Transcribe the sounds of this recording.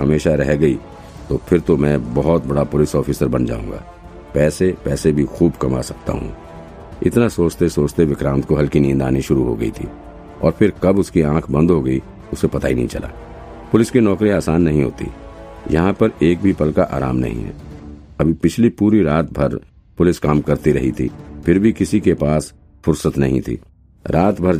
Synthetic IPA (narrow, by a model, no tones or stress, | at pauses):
ɦɐmeːʃaɾɛɦɡɐi | t̪opʰɪɾt̪omɛ̃bɐɦɔt̪bɐɽapʊlɪsɔːfʰɪsəɾbɐnd͡ʒa̰ːũːŋɡa̰ː | pɛːsepɛːsebʱixuːbkɐma̰ːsɐk̚t̪a̰ɦṵ̃ | ɪ̰t̪nasoːt͡ʃt̪esoːt͡ʃt̪eʋɪkɾãːnt̪koɦɐlkinĩːnd̪a̰ːniʃʊɾuɦo̰ɡɐit̪ʰḭː | ɔ̰ːɾpʰɪɾkɐbʊskiãːkʰbɐ̃nd̪ʱɦoɡɐi | ʊsepɐt̪aːḭnɐ̰ɦḭ̃t͡ʃɐ̰lʔa̰ː | pʊlɪskinɔːkɾiaːsaːnːɐɦĩɦo̰ːt̪ḭjɐ̰ɦãpɐɾeːk̚bʱipɐlkaʔa̰ːɾa̰ːmnɐ̰ɦḭ̃ɦɛ̰ː | ɐbʱipɪt͡ʃʰlipuːɾiɾaːt̪̚bʱɐɾ | pʊlɪskaːmkɐɾt̪iɾɐ̰ɦḭt̪ʰḭːpʰɪɾbʱikɪsikepaːs | fʊɾsət̪nɐɦĩt̪ʰḭː | ɾʔaːt̪bʱɐɾ